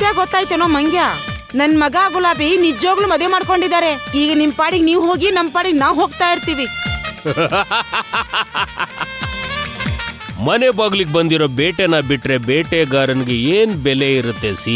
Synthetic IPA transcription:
t̪jaːɡɡɔt̪ːaːjt̪enoːmɐŋɡʱjaː | nɐnːmɐɡaaːɡulaːbinid͡ʒoːɡɐɭumɐd̪ʋemaːɽko̞ɳɖid̪aːɾeiːɡɐnimpaːɽiɡeniːʋɦoːɡinɐmːpaːɽiɡnaːʋɦoːɡt̪aːjiɾt̪iːʋi | mɐnebaɡliɡ̚bɐnd̪iɾoːbeːʈenɐbiʈːɾe̞beːʈeɡaːɾɐnɡeeːnbɛle̞iɾut̪ːesi

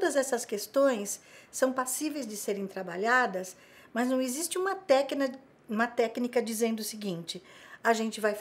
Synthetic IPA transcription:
d̪ɐzɛsɐskest̪õj̃sːɐ̃w̃pasivejzd͡ʒɪseɾẽj̃t̪ɾabaʎad̪ɐs | mɐznɐ̃w̃ezist͡ʃɪũmɐt̪ɛknɐ | ũmɐt̪ɛknikɐd͡ʒizẽnd̪ʊsɪɡĩnt͡ʃɪaʒẽnt͡ʃɪvajf

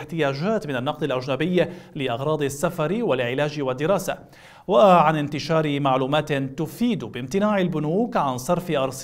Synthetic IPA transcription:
ħt̪ɪjaːd͡ʒaːt̪mɪnanːɑq̚d̪ˤɪlʔaʒnabɪjːalɪʔɑɣɾˤɑːd̪ˤɪsːafɑɾwalʕɪlaːd͡ʒɪwad̪ːɪɾɑːsa | waʕanɪnt̪ɪʃɑːɾɪmaʕluːmaːt̪t̪ʊfiːd̪bɪmt̪ɪnaːʕɪlbʊnuːkʕansˤɑɾˤfɪʔɑɾˤsˤ

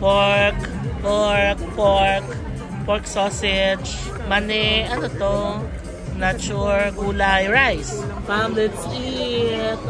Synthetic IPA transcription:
paɹk | poɹk̚poɹk | pɔɹksosɛd͡ʒ | manɛʔɐnot̪o | nat͡ʃuɹɡuːlajɹajspamlɛt̪s | i | t̪̚

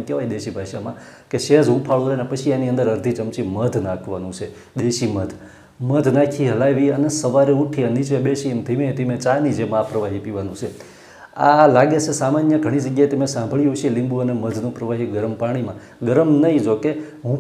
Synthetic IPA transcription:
mkeʋajd̪eʃibʱaʃamãkeʃed͡ʒɦũpʰaɭoɾenepət͡ʃʰianiə̃nd̪əɾəɾd̪ʱit͡ʃəmt͡ʃiməd̪ʱnãkʰʋanũt͡ʃʰe | d̪eʃiməd̪ʱ | məd̪ʱnakʰiɦəlajʋiənesəʋaɾeuʈʰiənit͡ʃʋeɓeʃiemt̪ʰiʋẽt̪imẽt͡ʃanid͡ʒemapɾəʋaɦipiʋanũt͡ʃʰe | a̰laɡet͡ʃʰesamanjəɡʱəɽ̃id͡ʒəɡjajt̪emẽsãmbʱɭiɦoʃielĩmbuəneməd̪ʱnũpɾəʋaɦiɡəɾəmpaɽ̃imã | ɡəɾəmnəɦĩd͡ʒokeɦũ

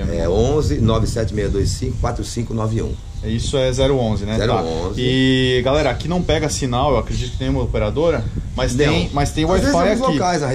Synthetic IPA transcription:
ɛ̰õzɪnɔvɪsɛt͡ʃɪmejɐd̪ojssĩkʊkwat̪ɾʊsĩkʊnɔvɪiṵ̃ | ɛisʊɛzɛɾʊõzɪnɛzɛɾt̪aõzɪɡalɛɾɐakinɐ̃w̃pɛɡɐsinawewakɾed͡ʒit̪ʊkɪnẽj̃ũmɐopeɾad̪oɾɐmɐst̪ẽmɐjst̪ẽj̃wafajaloikajzɐe

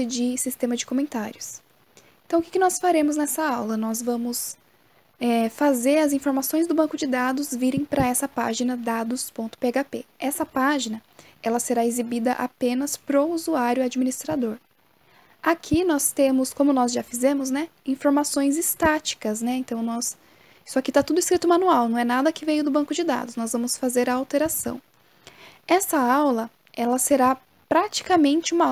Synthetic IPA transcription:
ɪd͡ʒɪsist̪ẽmɐd͡ʒɪkomẽnt̪aɾjʊs | ẽt̪ɐ̃w̃kʲɪkɪnɔsfaɾẽmʊznɛsɐawlɐnɔzvɐ̃mʊs | ɛfazeɾɐzĩfoɾmasõj̃zd̪ʊbɐ̃kʊd͡ʒɪd̪ad̪ʊzviɾẽj̃pɾɐɛsɐpa̰ʒinɐd̪ad̪ʊspõnt̪ʊ̥peaɡapeɛsɐpaʒinɐ | ɛlɐseɾaezibid̪ɐʔa̰pẽnɐspɾɔuzuaɾjʊad͡ʒiminist̪ɾad̪oɾ | akʰinɔst̪ẽmʊskõmʊnɔzʒafizẽmʊznɛĩfoɾmasõj̃zɪst̪at͡ʃi̥kɐznɛẽnt̪ɐ̃w̃nɔs | i̥sʊakit̪at̪ud̪ʊiskɾit̪ʊmɐ̃nuawnɐ̃w̃ɛnad̪ɐkɪvejʊd̪ʊbɐ̃ŋkʊd͡ʒɪd̪a̰d̪ʊsnɔzvɐ̃mʊsfazeɾɐawt̪eɾasɐ̰̃w̃ | ɛsɐawlɐ | ɛlɐseɾa | pɾat͡ʃi̥kɐmẽnt͡ʃɪũmɐ

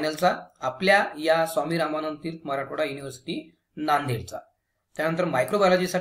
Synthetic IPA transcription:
nəlt͡saːpljajasamiːɾamanənt̪iːɾt̪məɾaʈoɽajuniʋəɾsi̥t̪i | nand̪ʱeɭt͡sa | t̪janənt̪̬əɾmajkɾobalɔd͡ʑisa

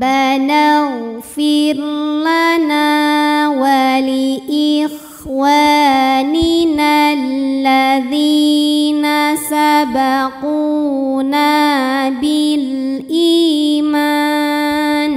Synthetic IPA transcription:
banaɣfɪɾlanaːwalɪʔɪx | waːnɪnallːaðiːnasabaquːnabɪlʔiːma | n

